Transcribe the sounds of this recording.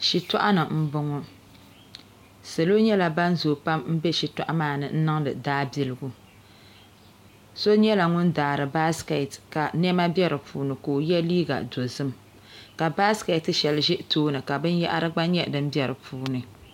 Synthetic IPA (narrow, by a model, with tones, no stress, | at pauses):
ʃi˨tɔ˦ʔa˦nɨ˨m̩˦bʊ˦ŋɔ˦ | se˨lo˦ɲɛ˦la˨ba˦nzoː˨pa˦m˦m̩˦bɛ˦ʃi˨ta˦ʔa˦maː˦˨nɨ˨n̩˦nɨ˦ŋ˦dɨ̰˨daː˦bi˨lɨ˨ɡu˦ | so˦ɲɛ˦la˨ŋʊ˦ndaː˨ɾɨ˨ba˦ska˨tka˨nɛ˦ma˦bjɛ˦ɾɨ˨pʰuː˦nɨ˨ko˨jɛ˦liː˦ɡa̰˨do˨zɨ˦m | ka˨ba˦ska˨tɨ˨ʃɛ˨lɨ˨ʒɛ˦ʔtoː˦nɨ˨ka˨bɨ˦n˦ja̰˦ʔa̰˦ɾɨ˦ɡ͡ba˦ɲɛ˦dɨ˦m˦bjɛ˨ɾɨ˨pʰuː˦nɨ˨